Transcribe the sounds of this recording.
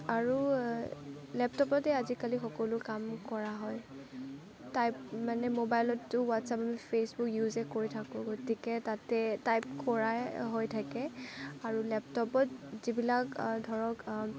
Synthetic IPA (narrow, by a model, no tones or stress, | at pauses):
aɹu | lɛptɔpɔtɛazikalixɔkɔlʊkamkɔɹaɦɔj | tajpmanɛmobajlɔtːʊwatsapamipʰesbukjuzɛkoɹitʰakʊ̃ɡotikɛtatɛtajp̚kɔɹaɦojtʰakɛaɹulɛp̚tɔpɔtzibilakdʱɔɹɔk